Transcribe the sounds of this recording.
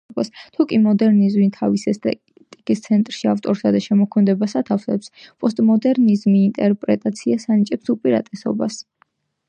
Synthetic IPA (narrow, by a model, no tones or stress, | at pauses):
bʼast̪ʰukʼimɔd̪ɛɾnizmint̪ʰavisɛs | t̪ʼikʼist̪sʰɛnt̪ʼɾʃiaft̪ʼɔɾsad̪aʃɛmɔkʰɔmɛd̪ɛbasat̪ʰafsɛpspʼɔst̪ʼmɔd̪ɛɾnizmiːnt̪ʼɛɾpʼɾɛt̪ʼat̪sʰiasanit͡ʃʼɛpsupʼiɾa̰t̪ʼɛsɔ̰bas